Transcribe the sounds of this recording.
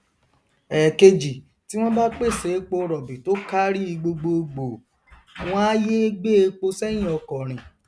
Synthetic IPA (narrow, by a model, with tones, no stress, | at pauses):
ɛ˨ke˧d͡ʒi˨ | ti˨˦w̃ɔ̃˦ba˦k͡pe˦˨se˨˦k͡po˧ɾɔ˨bi˨to˦ka˦ɾi˦i˧ɡ͡bo˧ɡ͡bo˧ɡ͡bo˨ | w̃ɔ̃˦a˦je˦ɡ͡be˦e˧k͡po˧sɛ˦j̃ĩ˦˨ɔ˧kɔ˨ɾ̃ĩ˨